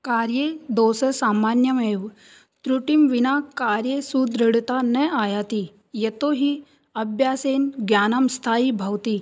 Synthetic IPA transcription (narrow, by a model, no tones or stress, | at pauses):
kaɾjed̪osəsamanjəmeʋ | t̪ɾuʈimʋinakaɾjesud̪ɾəɽt̪anɛajat̪i | jet̪oɦi | ɐbʱjaːsenɡjaːnamst̪ʰaːibʱawt̪iː